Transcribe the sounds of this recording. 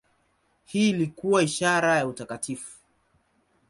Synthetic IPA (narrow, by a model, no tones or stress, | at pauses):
hiːlikuwaiʃaɾajautakatʰifu̥